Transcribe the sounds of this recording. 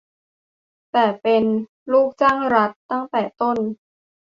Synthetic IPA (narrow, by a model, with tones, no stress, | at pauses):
t̪ɛː˨˩pe˧n | luː˥˩k̚t͡ɕaː˥˩ŋɾa˦˥t̪ːa˥˩ŋt̪ɛː˨˩t̪o˥˩n